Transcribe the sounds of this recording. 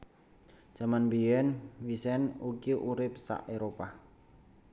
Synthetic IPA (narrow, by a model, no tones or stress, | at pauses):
d͡ʒ̥amanbiɛnwisɛnukiʔuɾɪp̚sa̰ʔeɾopa